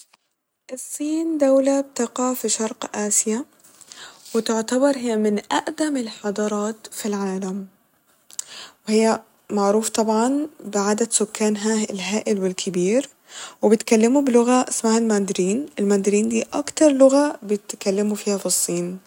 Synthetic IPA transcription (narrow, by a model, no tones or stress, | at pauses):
ʔɨsˤːiːnd̪awlab̚t̪aqɑfiʃɑɾˤqʔaːsja | wɪt̪ɪʕt̪abɑɾˤhɪjːamɪnʔaʔd̪amɪlħɑd̪ˤɑɾˤɑːt̪filʕaːlam | wɪhɪjːa | maʕɾuːft̪ˤɑbʕɑnbɪʕaːd̪ad̪sʊkːaːnɦaɪlɦaːʔɪlwɪlkʰɪbiːɾ | wɪbɪt̪kalːɪmubɪlʊɣaʔɪsmahalmaːnd̪ɪɾiːnʔɪlmaːnd̪ɪɾiːnd̪iːʔakt̪ɑɾˤlʊɣabɪt̪kalːɪmufiːhafɨsˤːiːn